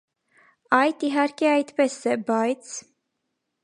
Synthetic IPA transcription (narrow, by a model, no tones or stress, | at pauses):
ɑjt̪iɦɑɾkɛɑjt̪pɛsɛbɑjt͡sʰ